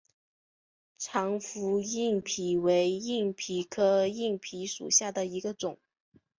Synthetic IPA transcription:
ʈ͡ʂʰɑ˧˥ŋfu˧˥i˥˩ŋpʰi˧˥we˧˥ɪi˥˩ŋpʰi˧˥kʰɤ˥i˥˩ŋpʰi˧˥ʂṵ˨˩ɕja˥˩d̪ə˩i˧˥ɡə˧ʈ͡ʂʊ˨˩˦ŋ

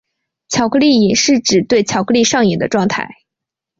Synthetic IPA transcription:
t͡ɕʰjɑ˨˩ʊkʰɤ˥˧li˥˩i˨˩nʂɻ̩˥˩ʈ͡ʂɻ̩˨˩t̪we˥˩ɪt͡ɕʰjɑ˨˩ʊkʰɤ˥˧li˥˧ʂɑ˥˩ŋi˨˩ŋd̪ə̰˦ʈ͡ʂwɑ˥˧ŋt̪ʰa̰˥˩ɪ

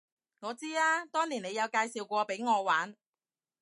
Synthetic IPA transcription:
ŋɔː˨˧t͡siː˥aː˥t̪ɔː˥ŋniː˨˩ne˨˧jɐ˨˧wkaː˧jsiː˨˩wkʷɔː˧pe˨˥jŋɔː˨˧waː˨˥n

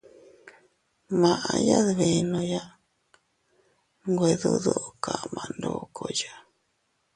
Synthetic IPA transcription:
mã˧˨ʔa˧ja˦ðβe˨nõ˧ja˦ | ŋɡʷe˧˨ðu˦ðo˦ʔka˨mã˨nd̪o˧˨kʰo˧˨ja˦

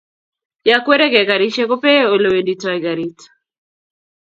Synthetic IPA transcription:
jakwe˦ɾe˦ɡɛ˨ɡa˨ɾi˦ʃe˦ko˦pe˦o˨lo˨we˨ndi˨tajɡa˨ɾi˦t

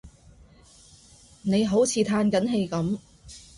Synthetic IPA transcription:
ne˨˧jɦo˨˥wt͡sʰiː˧t̪ʰaː˧nkɐ˨˥nɦe˧jkɐ˨˥m

